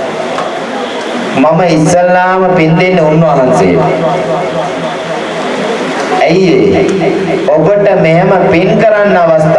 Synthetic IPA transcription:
maməisːəlːaːməpind̪enːeunːəʋaɦansḛjə̰ | æiḛ | obəʈəmeɦeməpiŋkəɾanːaʋast̪a

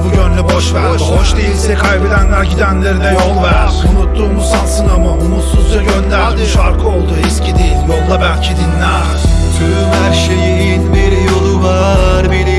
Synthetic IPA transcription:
buɟønlʲɛboʃvæɾiiboʃd̪ejilʲsɛkʰajbed̪ænvælʲcʰid̪ænlʲeɾid̪ɛjo̞lˠvæɾunut̪ːuːmusansɯnamaumut̪suzd͡ʒaɟønd̪æɾd̪iʃaɾkʰɯo̞lˠd̪uiscʰid̪ejilʲjo̞lˠd̪ˠabælʲcʰid̪inlʲæɾɾ | c̪ʰylmhæɾʃejijinbiɾjo̞lˠuva | ɾbili

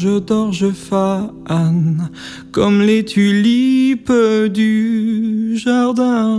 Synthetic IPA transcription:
ʒəd̪ɔʁʒəfa | an | kɔmlet̪ʰylipd̪y | ʒaʁd̪ɛ̃

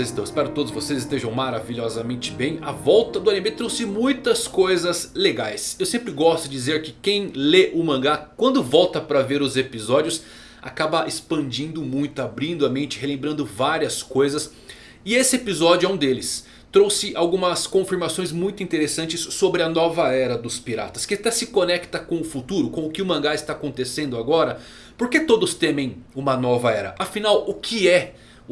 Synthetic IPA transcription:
zĩt̪ɐ̃w̃ɪspɛɾʊɪt̪od̪ʊzvosezɪst̪eʒɐ̃w̃maɾaviʎɔzɐmẽnt͡ʃɪ̥bẽj̃ɐvɔwt̪ɐd̪ʊanemet̪ɾowsɪmũj̃t̪ɐskojzɐzleɡajsewsẽmpɾɪɡɔst̪ʊd͡ʒizeɾkɪkẽj̃leʔʊmɐ̃ŋɡakwɐ̃nd̪ʊvɔwt̪ɐpɾɐveɾʊzepizɔd͡ʒiʊs | a̰kabɐʔespɐ̃d͡ʒĩnd̪ʊmũj̃t̪ʊabɾĩnd̪ʊɐmẽnt͡ʃɪɦelẽmbɾɐ̃nd̪ʊvaɾiɐskojzɐs | ɪesɪepizɔd͡ʒʊɛũd̪elɪs | t̪ɾowsɪʔawɡũmɐskõfiɾmasõj̃zmũj̃t̪ʊĩnt̪eɾesɐ̃nt͡ʃɪsːobɾɪɐnɔvɐɛɾɐd̪ʊspiɾa̰t̪ɐ̥skɪat̪ɛsɪkonɛkt̪ɐkõʊfut̪uɾʊkõʊkɪʊmɐ̃ŋɡaɪst̪aːkõt̪esẽnd̪ʊaɡɔɾɐ | poɾket̪od̪ʊst̪ẽmẽj̃ũmɐnɔvɐɛɾɐ̰ʔafinawʊkʰɪɛ

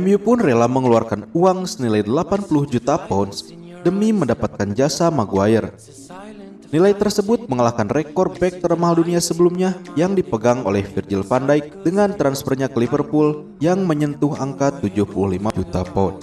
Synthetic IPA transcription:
ɛmbiupʊnrelaməŋəluarkanuaŋsənilajdəlapanpulʊhd͡ʒut̪apɔns | dəmiməndapat̪̚kand͡ʒasamaɡuaɪr | nilajt̪ərsəbʊt̪̚məŋəlahkanrekɔr̚bɛk̚t̪əɾəmaɦalduniasəbəlumɲajaŋdipəɡaŋo̰lɛhfird͡ʒilfandajk̚dəŋant̪ɾansfərɲakəlivərpʊl | jaŋməɲənt̪ʊɦaŋkat̪ud͡ʒʊhpuluhlimad͡ʒut̪apɔns

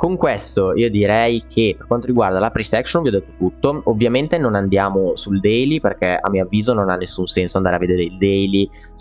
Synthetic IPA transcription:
koŋkwest̪oiːod̪iɾɛjkʰepːerkwant̪oɾiɡward̪alapɾisɛksonvjɔd̪ːet̪ːo̥t̪ut̪ːoovːjament̪enonand̪jaːmosuld̪ɛjliperk̟ɛa̰mːioavːiːzononanːesːunsɛnsoand̪aːɾavːed̪eːɾeild̪ɛjli

